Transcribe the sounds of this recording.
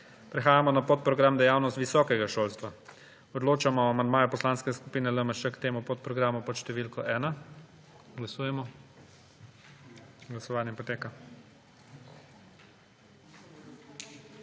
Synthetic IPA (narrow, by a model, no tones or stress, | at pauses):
pɾɛxaːjamɔnapot̪̚pɾɔɡɾamd̪ɛjawnɔst̪ʋisɔːkɛɡaʃoːlst̪ʋa | ɔd̪loːt͡ʃamɔamand̪maːjɛpɔslaːnskɛskupiːnɛləməʃɛkt̪eːmupot̪̚pɾɔɡɾaːmupɔt̪ʃt̪ɛʋiːlkɔʔɛːna | ɡlasuːjɛmɔ | ɡlasɔʋaːnjɛpɔt̪eːka